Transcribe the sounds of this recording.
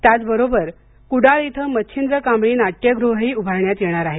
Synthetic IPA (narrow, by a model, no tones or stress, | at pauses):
t̪jat͡sbəɾobəɾ | kuɽaɭit̪ʰəmətːɕʰind̪ɾəkamɭiːnaʈ̚kjəɡɾuɦəɦiːubʱaɾɳjat̪jeɽ̃aɾaɦe